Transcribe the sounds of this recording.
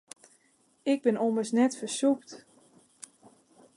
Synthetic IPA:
ɪɡ̚bɪnoməsnɛtfəsupt

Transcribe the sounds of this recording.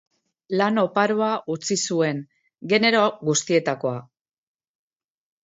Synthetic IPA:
lano̞paɾuaʔut͡sisue̞ŋ | ɡe̞ne̞ɾoɡust̪ie̞t̪ako̞a

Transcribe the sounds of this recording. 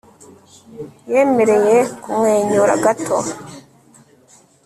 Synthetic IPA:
jeːme̞ɾe̞jekumŋeːɲuɾa̰ɡatʰo̰

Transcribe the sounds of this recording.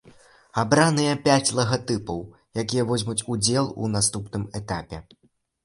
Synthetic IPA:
abɾanɨjɐpʲat͡sʲlˠɐɣat̪ɨpɐw | jakʲijɐvɔzʲmut͡sʲud͡zʲɛlˠṵnast̪upnɨmɛt̪apʲɛ

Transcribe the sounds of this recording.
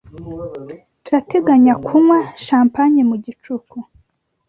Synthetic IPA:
tuɾateɡaɲakʰumwaʃaːmpaɲimuɟit͡ʃuku

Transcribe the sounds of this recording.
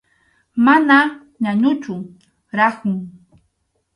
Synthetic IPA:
mana | ɲaɲʊt͡ʃʊ | ɾahʊŋ

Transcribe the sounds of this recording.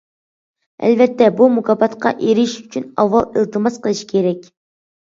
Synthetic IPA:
ɛ̰lvɛt̪ːɛbumukʰɑbɑt̪qɑ̰ʔeɾɪʃyt͡ʃʰynɑ̰vːɑlˠəlˠt̪ʰɨmɑsqʰəlˠɨʃi̥kʲʰeɾɛkʲ

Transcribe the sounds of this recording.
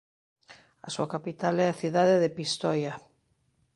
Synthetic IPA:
ɐ̰suakapit̪alɛaθiðaðeðepist̪ɔja

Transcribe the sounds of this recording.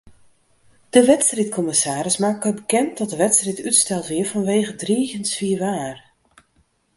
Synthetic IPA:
d̥əʋɛtstritkʰɔmɪsaːɾɪsmaːk̚ːəbəkɛnt̚dɔt̚dəʋɛtstritytstɛlˠtʋɪəɹfɔnʋeːɣədriːɣənsfiəʋaːr

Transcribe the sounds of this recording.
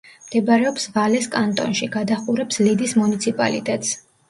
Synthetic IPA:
md̪̥ɛbaɾɛɔpsvalɛskʼant̪ʼɔ̰nʃiɡad̪aχuɾɛpslid̪ismunit̪sʰipʼa̰lḭt̪ʼɛt̪ʼs

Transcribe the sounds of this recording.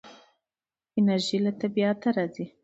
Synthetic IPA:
ɪnaɾʒilat̪abiat̪aɾɑzi

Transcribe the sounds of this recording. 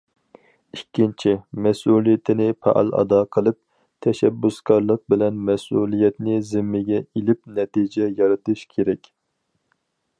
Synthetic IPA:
ikʲʰːint͡ʃʰimɛsulˠijit̪ʰɪnɪpʰɑ̰ʔɑ̰lˠɑ̰d̪ɑqʰəlˠɨp̚ | t̪ʰɛʃɛbːuskʲɑɾlˠəq̚bɪlɛnmɛsulˠijɛt̪nɪzɪmːɪɡʲɛilɪp̚nɛt̪id͡ʒɛjɑɾɨt̪ɨʃkʲʰeɾɛkʲ

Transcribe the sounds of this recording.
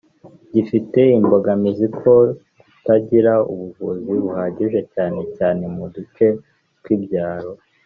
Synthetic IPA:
ɟifite̞imbo̞ɡamizikʰo̞ | utaɟiɾaṵβuvuziβuhaːɟiʒe̞caːne̞caːne̞mudut͡ʃe̞ | kwibɟaːɾo̞

